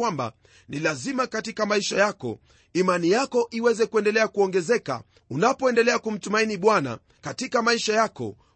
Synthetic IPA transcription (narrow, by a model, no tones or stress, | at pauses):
wamba̰ | nilazimakatikamaiʃajakɔ̰ | imanijakɔʔiwɛzɛkuɛndɛlɛakuɔŋɡɛzɛka̰ | unapɔɛndɛlɛakum̩tumainiɓwana̰ | katikamaiʃajakɔ̰